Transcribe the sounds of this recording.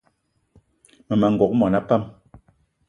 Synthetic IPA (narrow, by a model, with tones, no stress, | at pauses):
mɛ˨ma˨ŋ̩˨ɡɔ˨k̚mɔ˨na˦pa˦m